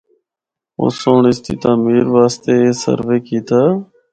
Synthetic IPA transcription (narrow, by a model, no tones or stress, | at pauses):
o̰ːsoːɳɪst̪ḭːt̪aːmiːɾʋaːst̪eːeːsə̰ɾʋeːkiːt̪aː